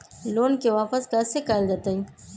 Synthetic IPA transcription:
loːnkewaːpɐskasekaːld̪ɐt̪əj

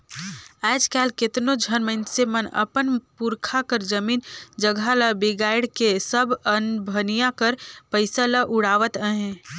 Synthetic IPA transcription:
ɛːd͡ʒkɛːlket̪nod͡ʒʱənməɪnsemənə̰pənpuɾkʰakəɾd͡ʒəmiːnd͡ʒəɡʱalabeɡaːɪɽkesəbənbʱənijakəɾpəɪsalaʔʊɽaːʋət̪əɦɛ̃

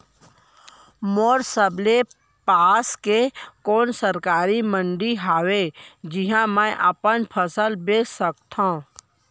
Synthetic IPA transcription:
moːɾsəble | paːskekoːnsəɾkaːɾimə̃ɳɖiɦaːwed͡ʒɪɦãmɛ̃ʔəpənpʰəsəlbeːsək̚t̪ʰã

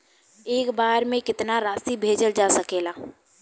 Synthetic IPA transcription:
eːkbaːɾmẽkɪt̪naɾaːsibʱeːd͡ʒəld͡ʒaːsəkeːlaː

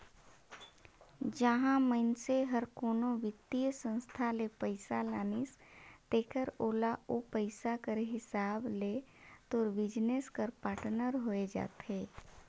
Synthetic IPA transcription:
d͡ʒəɦãməɪnseɦəɾkoːnoʋɪt̪ːijsə̃nst̪ʰalepəɪsalaːnist̪eːkəɾoːlaopəɪsakəɾɦɪsaːblet̪oːɾbɪd͡ʒneskəɾpaːʈnəɾɦoːed͡ʒa̰ːt̪ɦeː

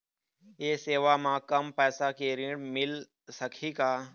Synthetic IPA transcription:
eːseːʋaːmãːkəmpɛːsaːkeːɾĩːɽmɪl | səkʰiːkaː

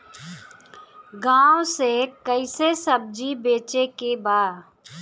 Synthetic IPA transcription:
ɡãːõsekəisesəb̚d͡ʒibeːt͡ʃekebaːd̪

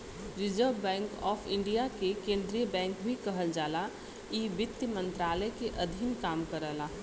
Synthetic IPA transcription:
ɾɪd͡ʒəːbɛ̃ːŋkɔːfʰɪ̰̃ɳɖijakekẽːnd̪ɾijəbɛ̃ːŋkbʱikɐɦəld͡ʒaːla | iːʋɪt̪ːjmə̃nt̪ɾaːləjkeʔɐd̪ʱinkaːmkɐɾəːlaː

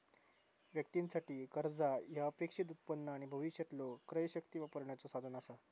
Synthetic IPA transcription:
ʋjək̚t̪insaʈiːkəɾd͡zajaəpekʂit̪̬ut̪̚pənːəaɽ̃ibʱəʋiɕjət̪lokːɾəjɕək̚t̪iʋapəɾɳjat͡sosad̪ʱənasa

